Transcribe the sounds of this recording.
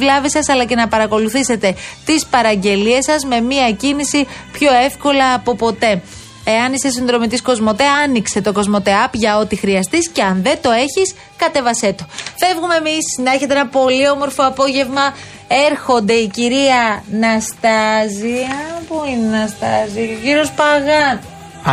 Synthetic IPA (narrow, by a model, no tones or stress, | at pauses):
vlɐvisɐsɐlɐce̞nɐpɐɾɐko̞luθise̞t̪e̞t̪ispɐɾɐɲɟe̞lie̞sɐzme̞miɐcinisipço̞e̞fko̞lɐːpo̞po̞t̪e̞ | eɐnisesinðɾo̞mit̪isko̞zmo̞t̪eɐɐnikse̞t̪o̞ko̞zmo̞t̪e̞ɐpʝɐo̞t̪ixɾiɐst̪isce̞ɐnðe̞t̪o̞e̞çis | kɐt̪e̞vɐse̞t̪o̞fe̞vɣumeːmisnɐe̞çe̞t̪eenɐpo̞lio̞mo̞ɾfoɐpo̞ʝe̞vmɐ | e̞ɾxo̞nd̪e̞iciɾiɐnɐst̪ɐziɐpuinenɐst̪ɐziʝiɾo̞spɐɣɐ